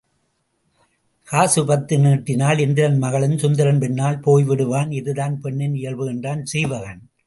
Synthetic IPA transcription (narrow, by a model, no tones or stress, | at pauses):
kaːsɯpɐt̪ːɯniːʈːɪnaːlɛnd̪ɪɾɐnmɐɣɐɭɯnsʊnd̪ɐɾɐnpɛnːaːlpoːjʋɪɽɯʋaːnɪðɯðaːnpɛɳːɪnɪjɐɭʋɯɣɛndraːnsiːʋɐɣɐn